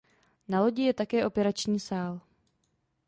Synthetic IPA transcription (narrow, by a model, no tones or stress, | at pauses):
nalo̞ɟɪjɛt̪akɛːʔo̞pɛɾat͡ʃɲiːsaːl